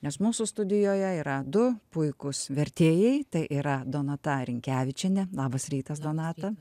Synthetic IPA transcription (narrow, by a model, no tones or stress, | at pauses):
nʲɛsmuːsʊst̪ʊd̪ʲɪjoːjɛiːɾɐd̪ʊpʊɪkʊsʋʲɛɾʲt̪ʲeːjɛɪt̪ɐɪʔiːɾɐd̪oːnɐt̪ɐɾʲɪŋʲkʲæːʋʲɪt͡ʃʲɛnʲɛlˠɑːbɐsɾʲiːt̪ɐs̬d̪oːnɑːt̪ɐ